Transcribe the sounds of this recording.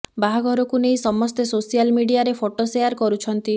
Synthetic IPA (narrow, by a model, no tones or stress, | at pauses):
baɦaɡʱɔɾɔkunejsɔmɔst̪esosijalmiɽiaɾepʰoʈosejaɾkɔɾut͡ʃʰɔnt̪i